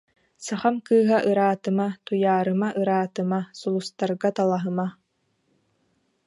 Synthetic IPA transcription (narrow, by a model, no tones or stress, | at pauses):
saχamkɯːɦaʔɯɾaːt̪ɯmat̪ujaːɾɯmaʔɯɾaːt̪ɯmasulˠust̪aɾɡat̪alˠaɦɯma